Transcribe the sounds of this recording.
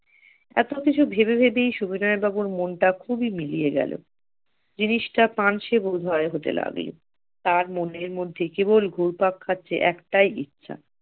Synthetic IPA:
ɛ̰t̪okit͡ɕʰubʱebebʱebejʃubinɔebʱabuɾmonʈakʰubimilijeɡɛ̰lo̰ | d͡ʑiniʃʈapanʃebod̪ʱɔeɦot̪ḛla̰ɡlo̰ | t̪aɾmoneɾmod̪ʱːekebolɡʱuɾpakʰːat̪ːɕʰḛʔɛkʈajʔitːɕʰa̰

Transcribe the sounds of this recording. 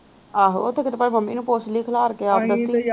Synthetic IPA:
aːɦo̰ot̪ʰeːkɪt̪epaːməmːiːnũːpoːt͡ʃliːkʰlaːɾəkeːaːpd̪əsiː

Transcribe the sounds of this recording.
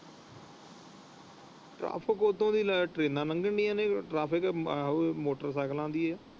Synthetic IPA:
ʈɾa̰ːpʰɪkot̪ʰːõːd̪iːlʈɾeːnãːnəŋɡəɳɖiːãːneːʈɾaːpʰɪkː | moːʈəɾsaːklãːnd̪iːɛː

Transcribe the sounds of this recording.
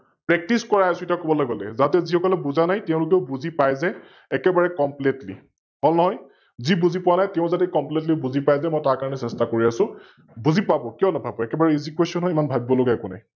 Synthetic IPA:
pɹɛk̚tiskɔɹaɛsitakobɔlaɡɔlɛ̰zatɛzixʰɔkɔlɛbuzanajtɛ̃ʊ̃lʊk̬eʊbuzipajzɛː | kɛbaɹɛkɔmpletlḭ | ɦolnɔɦɔj | zibuzipʊwanajtɛʊ̃zatɛkɔmplet̬libuzipajzɛmɔjtaɹkaɹɔnɛsɛstakoɹiasʊ̃ | buzipabɔkijɔnabʱabɔɛkɛbaɹɛizikwesɔnɦɔjimanbʱabibɔloɡɛɛkʊna̰j

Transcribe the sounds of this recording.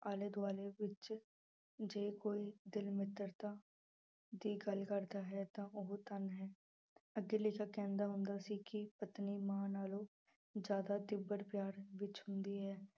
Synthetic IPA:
aːled̪ʋaːleːʋɪt͡ʃ | d͡ʒeːkoːiːd̪ɪlmɪt̪əɾt̪aː | d̪iːɡəlkəɾd̪aːɦɛːt̪ãːʊɦt̪ənɦɛː | əɡːeleːkakɛ̃ːnd̪aːɦʊnd̪aːsiːkɪpət̪niːmaːnaːloː | d͡ʒjaːd̪aːt̪ɪbːəɾpjaːɾʋɪt͡ʃɦʊnd̪iːɦɛː

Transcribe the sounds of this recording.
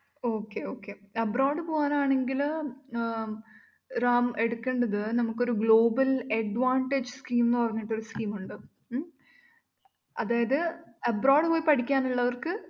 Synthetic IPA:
o̞ːkːeo̞ːkːeɐbraːɖɨpo̞ːɣaːnaːɳe̞ŋɡil | raːme̞ɽukːeɳɖɐðɨnɐmukːo̞ɾuɡɭo̞ːbɐlɐɖʋaːɳʈed͡ʑɨskiːmnːɨpɐrɐɲːiʈːo̞ɾuskiːmuɳɖɨ | ɐðaːjɐðɨɐbraːɖɨpoːjipɐʈʰikʲːaːnuɭːɐʋɐrkɨ

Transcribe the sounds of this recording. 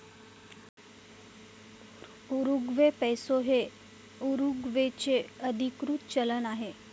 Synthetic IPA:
uɾuɡʋepɛjsoɦe | uɾuɡʋet͡ɕeəd̪ʱikɾuːt̪̚t͡ɕələnaɦe

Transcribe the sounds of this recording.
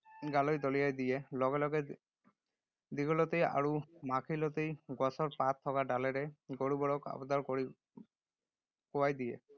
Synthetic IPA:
ɡalɔjd̪ɔlijajd̪ijelɔɡelɔɡe | d̪iɡɔlɔt̪eja̰ɾumakʰilɔt̪ejɡɔsɔɾpat̪ʰːɔkaɖaleɾeɡoɽubɔɽɔka̰bɔd̪ɔɾkɔɾi | kɔwajd̪ijḛ

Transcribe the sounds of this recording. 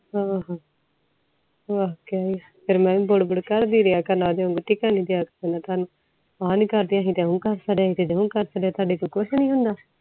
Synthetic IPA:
ɦãːɦãː | ʋaːkeaːija | pʰɪɾmɛ̃ːĩːbʊɽbʊɽkəɾd̪iːɾɪaːkəɾnaːd̪eõːŋɡuʈiːkaːnĩːd̪eaːkəsenãːt̪aːnũː | aːniːkəɾd̪ijãːɦĩːt̪eũːkəɾsəɖeãːɦĩt̪eːd͡ʒəũːkəɾsəɖeaːt̪aːɖeːkoikʊʃnĩːɦʊnd̪aː

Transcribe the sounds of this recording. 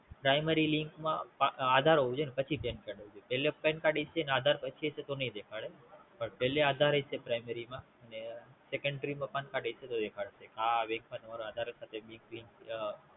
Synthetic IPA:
pɾajmeɾiliŋkmã̰paad̪ʱaɾɦoud͡ʒonepət͡ʃʰipɛnkaɽɦəʋud͡ʒojpɛlepɛnkaɽesenead̪ʱaɾpət͡ʃʰiɦəset̪onəĩd̪ekʰaɭepəɳpɛɦlead̪ʱaɾɦəjsepɾajmeɾimã | ənesekəɳɖɾimãpankaɖeʃʰet̪od̪ekʰaɭʃekaʋẽŋkmãnəmaɾoad̪ʱaɾsat̪ʰebiŋkliŋk

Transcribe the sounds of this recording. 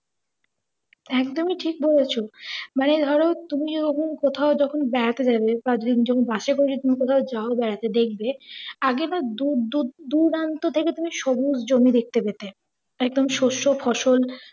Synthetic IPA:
ɛkd̪omiʈʰik̚bolet͡ɕʰomaned̪ʱɔɾot̪umid͡ʑɔɔkʰonkot̪ʰaod͡ʑɔkʰonbɛɾat̪ed͡ʑabepãd͡ʑd̪ind͡ʑɔkʰonbaʃekoɾed͡ʑʰet̪umikot̪ʰaod͡ʑaobɛɾat̪ed̪ek̚ʰbeaɡenad̪ud̪ud̪uɾant̪ot̪ʰeket̪umiʃɔbud͡ʑd͡ʑomid̪ek̚t̪epet̪e | ɛɡ̚d̪omʃoʃofʰɔʃol

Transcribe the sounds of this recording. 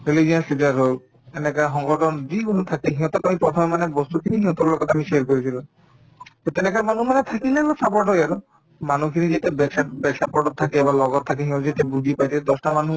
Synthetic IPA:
ɾilid͡ʒiɔsid͡ʒaɾɦo | enekaɦɔŋɡɔʈɔnd͡ʒikunut̪ʰakeɦĩõt̪ɔkamipɾɔt̪ʰɔmemanebɔst̪ukʰiniɦĩɔ̃t̪ɔɾlɔkɔt̪amiʃeɾkɔɾit̪ʰilɔ | t̪ot̪enekamanumanet̪ʰakilelɔsapɔɖɔaɾɔ | manukʰinid͡ʒet̪ebɛkʃabɛkʃapɔʈɔt̪ʰːakeːbalɔɡɔtt̪ʰːakeɦĩõd͡ʒet̪ebud̪ʱipajt̪ʰid̪ɔsʈamanu

